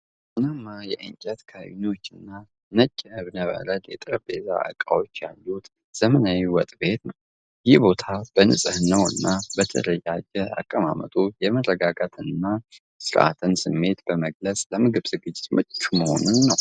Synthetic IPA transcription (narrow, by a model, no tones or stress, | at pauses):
ʔɨnamjɛʔɨŋt͡ʃʼɛt̪kʰaβḭnio̞t͡ʃːɨnːa | nət͡ʃʼːəhɨβnəβə̰ɾət̪jɛt̪ʼɾəbeza̰ə̰kʼa̰wo̞t͡ʃːjalːut̪ | z̥əmənawiwɔt̪ʼbe̞t̪nəw | jɪhbo̞t̪ʰab̥ənɨ̰sʼɨhnːəwɨ̰nːabət̪ʰə̰ləjad͡ʒɛa̰kʼːəma̰mə̰t̪ʼujɛmərːəɡaɡat̪ʰɨnːa | sɨɾʔa̰t̪ʰɨnsɨmːe̞t̪b̥əməɡləsʼləmɨɡɨβzɨɡɨd͡ʒːɪt̪mɨt͡ʃt͡ʃːuməho̞̰nunːəw